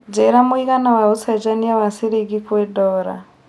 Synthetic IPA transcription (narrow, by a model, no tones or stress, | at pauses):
d͡ʒɛɾamuikanawausʰad͡ʒanijawasiɾiɡiɸʰuwɛdɔːɾa̰